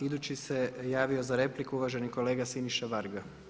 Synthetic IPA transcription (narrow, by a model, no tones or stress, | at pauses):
id̪ut͡ʃise̞jaːʋio̞zaɾe̞plikuuʋaːʒe̞niko̞leːɡasiniʃaʋaɾɡa